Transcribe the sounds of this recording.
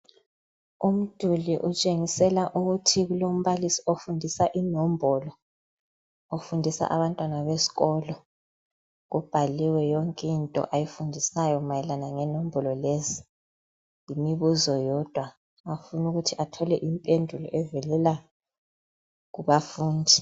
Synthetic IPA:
um̩d̥ʱuliʔut͡ʃʼeŋisɛlaʔuɣutʰiɣulom̩βalisi̥ofundʱisaʔinɔmbʱɔlɔ | ofundʱisa̰ʔa̰βantʼwanaβesi̥ɣɔlɔ | ɣub̥ʱaliwɛjɔŋkʼintʼɔ̰ʔajifundʱisajɔmajɛlanaŋɛnɔmbʱɔlɔlezi | jimiβuzɔjɔd̥ʱwa | afunuɣutʰiʔatʰɔlɛʔimpʼendʱulɔ̰ʔɛvɛlɛla | ɣuβafuːndʱi

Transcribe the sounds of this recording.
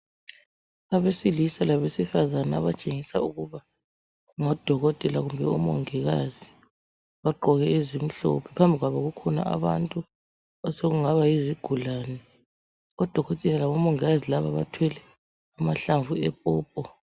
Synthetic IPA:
aβesilisalaβesifazanaːβat͡ʃʼeŋisauɣuβa | ŋɔd̥ʱɔɣɔtʼɛlaɣumbʱɛɔmɔ̰ŋɛɣazi | βaɡ͡ǃʱɔɣɛezim̩ɬɔ̰pʰɛpʰambʱiɣwaβaɣukʰɔna̰ʔa̰βa̰ntʼu | ɔseɣuŋaβaiziɡ̥ʱulaːnɛ | ɔd̥ʱɔɣɔtʼinalaβɔmɔŋɛɣazilaβaβa̰tʰwɛlɛ | amaɬaɱvuɛpʼɔːpʼɔ

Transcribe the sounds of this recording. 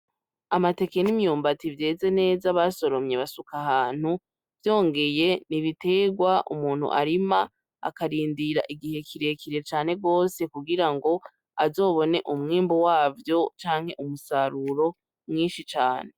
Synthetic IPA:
amate̞ke̞nimjuːmbativje̞ːze̞ne̞ːzaβaso̞ɾo̞mɲe̞βasukahaːn̥hu | vjo̞ːŋɡe̞je̞niβite̞ɡwaʔṵmuːn̥hṵʔa̰ɾima | a̰kaɾiːndiɾa̰ʔiɡihe̞kʰiɾe̞kiɾe̞t͡ʃaːne̞ɡo̞ːse̞kuɡiɾaŋɡo̞ | azo̞ːβo̞ne̞ʔumŋiːmbowaːvjo̞t͡ʃaːŋhe̞ʔumusaɾuɾo̞ | mŋiːnʃit͡ʃaːne̞

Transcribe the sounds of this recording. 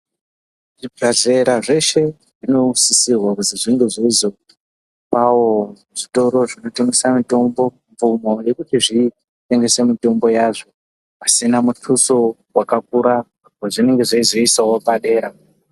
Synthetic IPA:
ʐibaɮe̞ɾaʐe̞ʃe̞ | ʐino̞sisirwakuziʐiŋɡeʐizo | pawo | ʐ̥ito̞ɾo̞ʐino̞te̞ŋɡe̞samito̞mbo̞ | ɱvumo̞je̞kutiʐi | te̞ŋɡe̞se̞mito̞mbo̞jaʐo̞ | pasinamuɬʰuso | wakak̚uɾa | kaʐine̞ŋɡe̞ʐaizoisawopaɗe̞ːɾa

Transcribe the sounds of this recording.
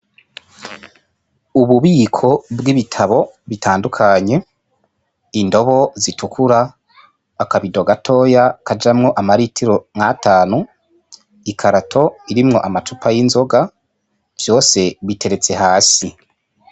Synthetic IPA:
uβuβiːkʰo̞bɡiβitʰaβo̞βitʰaːndukʰaɲe̞ | indo̞βo̞zitukʰuɾaː | kaβido̞ɡatʰo̞ːjakad͡ʒamŋo̞ʔamaɾitʰiɾo̞ŋ̥hataːnu | ikʰaɾatʰo̞iɾimŋo̞̰ʔamatupʰajinzo̞ɡa | v̥jo̞ːse̞βite̞ɾe̞t͡se̞haːsi

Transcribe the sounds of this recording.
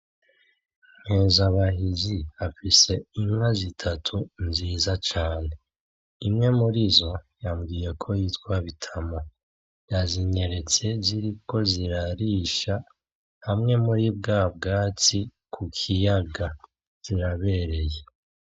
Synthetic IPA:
ŋ̥he̞ːzaβaɦiziafise̞iŋwazitʰatʰunziːzat͡ʃaːne̞ | imŋe̞muɾizo̞jamɡije̞kʰo̞jiːtwaβitʰamo̞ | jaziɲe̞ɾe̞t͡se̞ziɾiko̞ziɾaɾiːʃa | hamŋe̞muɾibɡaːbɡaːt͡sikʰukʰijaɡa | kiɾaβe̞ɾe̞je̞

